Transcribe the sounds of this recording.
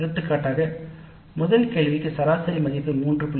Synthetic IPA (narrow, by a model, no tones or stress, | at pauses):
ɾɯt̪ːɯkːaːʈːaːɣɐ | mʊðɐlkeːɭʋɪkːɯsɐɾaːsɐɾimɐɣɪpːɯmuːndrɯpʊɭ